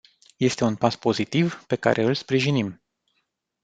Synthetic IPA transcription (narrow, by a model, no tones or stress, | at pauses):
je̞st̪e̞unpaspo̞zit̪ivpe̞ka̰ɾʔe̞ɨlspɾiʒinim